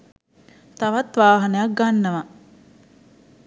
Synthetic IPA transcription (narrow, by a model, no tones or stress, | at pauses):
t̪ɐʋɐt̪ʋaːɦɐnɐjak̚ɡanːɐʋa